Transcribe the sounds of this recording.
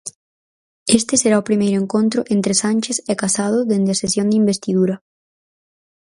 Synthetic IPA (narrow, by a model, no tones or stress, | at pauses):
est̪ɪseɾaʊpɾimejɾʊeŋkont̪ɾʊʔent̪ɾesanʲt͡ʃesɛkasað̞ʊðend̪eɪɐsesjõnd̪ɪimbest̪iðuɾɐ